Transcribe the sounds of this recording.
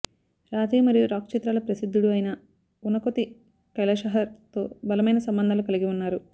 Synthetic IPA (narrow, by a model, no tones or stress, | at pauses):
ɾaːt̪iːmɐɾijuɾaːkt͡ʃit̪ɾaːlɐpɾɐsid̪ʱːuɽuɐjnɐ | unɐkot̪i | kɐlɐʃɐɦɐɾt̪o̞̰ːbɐlɐmɐjnɐsɐmbɐnd̪ʱaːlukɐliɡiunːaːɾu